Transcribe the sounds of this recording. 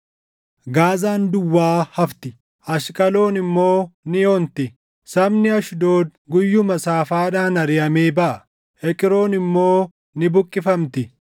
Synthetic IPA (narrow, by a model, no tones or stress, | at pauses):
ɡaːzaːnd̪ʊwːaːhɐft̪ɪ | ɐʃkʼɐlo̞ːnɪmːo̞ːnɪjoːnt̪ɪ | sɐbnɪɐʃd̪o̞ːd̪̚ɡʊjːʊmɐsaːfaːᶑaːnɐɾɪjɐmeːbɐʔɐ | ɛkʼɪɾo̞ːnɪmːo̞ː | nɪbʊkʼːɪfɐmt̪ɪ